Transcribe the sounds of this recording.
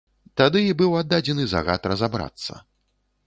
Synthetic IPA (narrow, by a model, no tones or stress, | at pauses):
t̪ad̪ɨibɨwad̪ːad͡zʲɛnɨza̰ɣat̪rɐzabɾa̰t̪sːɐ̰